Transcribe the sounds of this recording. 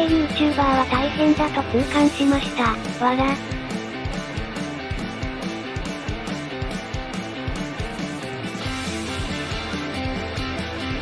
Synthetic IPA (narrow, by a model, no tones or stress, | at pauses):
ejɯ̟ːt͡ɕɨːbaːβat̪aihẽ̞nd̪at̪o̞kɯ̟ːkãɰ̃ɕimaɕi̥t̪aβana